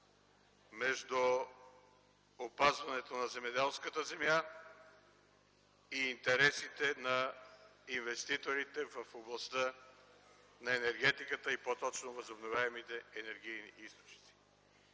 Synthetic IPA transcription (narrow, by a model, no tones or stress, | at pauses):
mɛʒd̪u | opazvɐnɛt̪onɐzɛmɛd̪ɛlˠskət̪əzɛmja | iːnt̪ɛɾɛsit̪ɛnɐ | invɛst̪it̪oɾit̪ɛvəfoblˠɐst̪ə | nɐɛnɛɾɡ̟ɛt̪ikət̪əipot̪ɔt͡ʃnovəzobnovʲjaɛmit̪ɛːnɛɾɡ̟ijniʔist̪o̥t͡ʃni̥t̪si̥